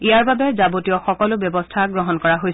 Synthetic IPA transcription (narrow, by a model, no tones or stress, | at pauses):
ijaɹbabɛzabotijɔxɔkɔlʊbjɔbɔstʰaɡɹɔɦɔnkɔɹaɦoj